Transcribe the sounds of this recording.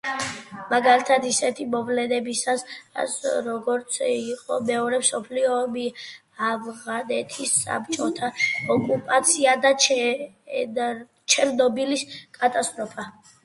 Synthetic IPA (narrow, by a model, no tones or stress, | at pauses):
maɡalit̪ʰad̪isɛt̪ʰimɔvlɛnɛbisas | ɾɔɡɔɾt̪sʰiqʼɔ̰mɛɔɾɛmsɔpʰliɔbi | avʁanɛt̪ʰisːa̰p̚ʰt͡ʃʼɔt̪ʰaɔkʼupʼat̪sʰiad̪at͡ʃ | t͡ʃʰɛɾnɔbiliskʼat̪ʼast̪ʼɾɔpʰa